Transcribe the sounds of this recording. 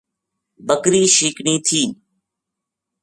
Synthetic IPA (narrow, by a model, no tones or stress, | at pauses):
bəkɾiːʃiːkniːt̪ʰiːn